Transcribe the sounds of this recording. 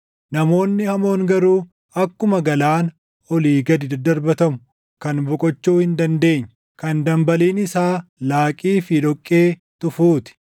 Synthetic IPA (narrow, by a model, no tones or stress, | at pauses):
nɐmo̞ːnːɪhɐmo̞ːŋɡɐɾuː | ɐkːʊmɐɡɐlaːn | ɔliːɡɐd̪ɪd̪ɐd̪ɐɾbɐt̪ɐmʊ | kɐnbɔkʼɔt͡ʃːuːhɪnd̪ɐnd̪e̞ːɲːɐ | kɐnd̪ɐmbɐliːnɪsaːlaːkʼiːfɪd̪ɔkʼːe̞ː | t̪ʊfuːt̪ɪ̥